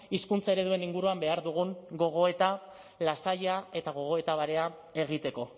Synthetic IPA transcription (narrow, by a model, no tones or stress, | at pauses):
iskunt͡sae̞ɾe̞ðue̞niŋɡuɾuambe̞aɾðuɣ̞uŋɡo̞ɣ̞o̞e̞t̪a | lasaʎae̞t̪aɣ̞o̞ɣ̞o̞e̞t̪aβaɾe̞a | e̞ɣ̞it̪e̞ko̞